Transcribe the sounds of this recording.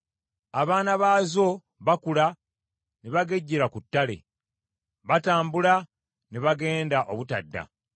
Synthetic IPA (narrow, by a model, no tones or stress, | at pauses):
aβaːnaβaːzo̞ | βakula | neβaɡe̞ɟːiɾakutːale̞̰ | βataːmbula | neβaɡe̞ːndaʔo̞βutadːa̰